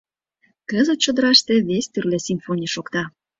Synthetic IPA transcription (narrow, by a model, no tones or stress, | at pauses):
kəzət̪̚t͡ɕod̪əɾɑʃt̪eβest̪yrlesʲimfonʲiʃokt̪ɑ